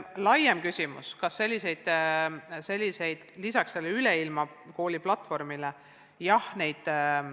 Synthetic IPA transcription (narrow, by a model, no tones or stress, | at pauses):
lɑjemkysʲimṵskɑsːe̞lʲːise̞jd̪̥ | se̞lʲːise̞jd̪̥lisɑksːe̞lːeyleilmɑ | ko̞ːlʲiplɑt̪ːˑfo̞rmile | jɑhne̞jd̪̥